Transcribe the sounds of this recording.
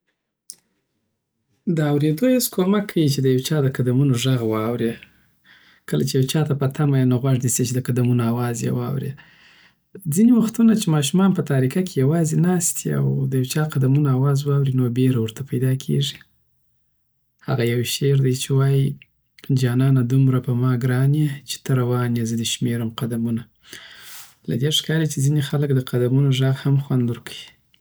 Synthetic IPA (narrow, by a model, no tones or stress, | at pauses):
d̪əawɾed̪ohaskʰomakʰːawit͡ʃed̪əjawt͡ʃɑd̪əqad̪amunoʒaɣwɑwɾe | kəla̰t͡ʃejawt͡ʃɑt̪apət̪ʰamajnoɣwaʐd̪iset͡ʃed̪əkad̪amunoawɑzjḛwɑ̰wɾḛ | d͡ziniwaxt̪unat͡ʃemɑʃ̬umɑnpət̪aɾikakʰejawɑzenɑst̪ʰia̰wd̪əjawt͡ʃɑqad̪amunaːwɑzwɑwɾinobeɾawəɾt̪apajd̪ɑkʰḛʐi | ha̰ɣajawʃeɾd̪ajt͡ʃewɑji | d͡ʒɑnɑnad̪umɾapəmɑɡɾɑnet͡ʃe̥t̪əɾawɑnjezəd̪əʃmeɾamqad̪amuna | la̰d̪eʂkɑlet͡ʃezinexaləkd̪əqad̪amunoʒaɣhamxwand̪əɾkawi